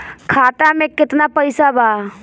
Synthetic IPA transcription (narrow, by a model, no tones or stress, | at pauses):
kʰaːt̪amẽkɪt̪napəɪsabʱaː